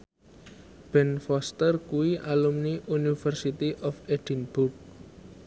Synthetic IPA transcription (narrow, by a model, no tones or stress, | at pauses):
b̥ɛnfɔst̪ərkuiʔalumniʔunifərsit̪iʔɔfed̥inburk̚